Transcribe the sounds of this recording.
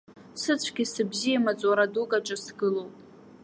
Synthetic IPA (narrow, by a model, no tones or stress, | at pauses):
sɨt͡sʷʰɡʲɪsɨbzijamat͡sʷʼwaɾadukʼaʈ͡ʂʼɨsɡɨlowpʼ